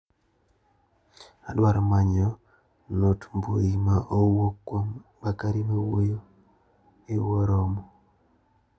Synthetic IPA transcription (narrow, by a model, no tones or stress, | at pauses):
adwaɾɔmaɲɔ | notmboimaʔowokwombakaɾimewojo | ewoɾɔmɔ